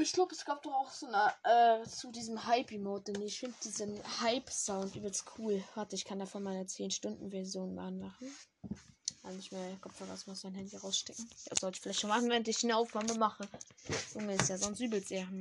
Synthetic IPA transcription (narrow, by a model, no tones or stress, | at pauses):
ɪçɡ̥laʊbəɛsɡ̥aːp̚d̥ɔχaʊxz̥oːnəʔɛːt͡sudiːzəm̩haɪpimoːt̚d̥ɛneːɪçfɪndəd̥iːzənhaɪpz̥aʊntʔyːblskʰuːlhatəɪçkʰandaːfɔnmaɪnɐt͡seːnʃtʊndn̩vɛɐzjoːnma̰ːnmaχn̩ | kanɪçmiːɐkʰɔpfaɡaʊsmaʊsmaɪnhɛndiʁaʊsʃtɛk̚ŋ̩ja̰ːz̥ɔltɪ̥çfɪlaɪçtnonmaχn̩veːʁəntɪçd̥ːnəaʊfnaːməmaχəz̥ʊŋəɪstjaːzɔnstʔyːbl̩seːʁənm